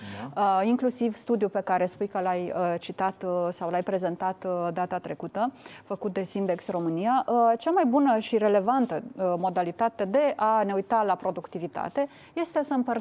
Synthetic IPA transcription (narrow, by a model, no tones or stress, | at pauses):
əiŋklusivst̪ud̪jupe̞kaɾe̞spujkəlajət͡ʃit̪at̪sawlajpɾe̞ze̞nt̪at̪d̪at̪at̪ɾe̞kut̪əfəkut̪̚d̪e̞sind̪e̞ksro̞mɨnijaʔt͡ʃamajbunəʃiɾe̞le̞vant̪əmo̞d̪alit̪at̪e̞d̪e̞ʔane̞ujt̪alapɾo̞d̪ukt̪ivit̪a̰t̪e̞ | je̞st̪e̞səmpər